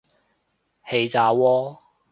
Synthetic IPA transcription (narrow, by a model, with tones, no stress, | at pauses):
he˨˧jt͡saː˨˧wɔː˧˥